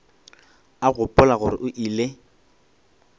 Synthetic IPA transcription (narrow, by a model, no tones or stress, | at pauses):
aɣʊpʼʊlaɣʊɾɪ̰ʔʊʔiːle